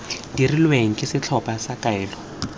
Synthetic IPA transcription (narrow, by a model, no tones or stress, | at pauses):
d̥irilweŋ̩kʼɪsɪt͡ɬʰɔpʼasakʼaɛːlɔ